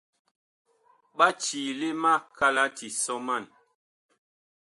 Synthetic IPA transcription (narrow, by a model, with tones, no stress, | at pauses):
ɓa˦t͡ʃi˨le˦ma˦˨kʰa˦la˦ti˨sɔ˦ma˦˨n